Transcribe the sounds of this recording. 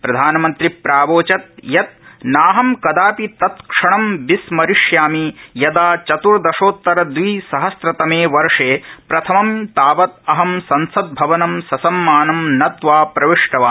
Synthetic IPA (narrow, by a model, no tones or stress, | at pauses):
pɾɐd̪ʱaːnɐmɐnt̪ɾipɾaːʋoːt͡ʃɐt̪̚jɐt̪̚naːɦɐmkɐd̪aːpit̪ɐt̪kʂɐɳɐmbismɐɾiʂjaːmijɐd̪aːt͡ʃɐt̪uɾd̪ɐʂoːt̪ːɐɾɐd̪ʋiːsɐɦɐsɾɐt̪ɐmeːʋɐɾʂeːpɾɐt̪ʰɐmɐmt̪aːʋɐt̪̚ɐɦɐmsɐnsɐd̪̚bʱɐʋɐnɐmsɐsɐmːaːnɐmnɐt̪ʋaːpɾɐʋiʂʈɐʋaː